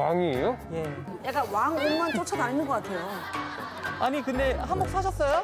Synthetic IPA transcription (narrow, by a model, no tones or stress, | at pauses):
waŋiejoje̞ | jak͈awaŋoŋmant͡ɕ͈ot͡ɕʰadaninːɯnŋɡʌk͈atʰe̞jo | aɲikɯnde̞ɦambok̚sʰaɕʰʌs͈ʌjo